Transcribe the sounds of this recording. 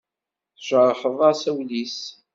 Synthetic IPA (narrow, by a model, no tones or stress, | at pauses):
θʒəɾˤəħəðˤɑsæwlis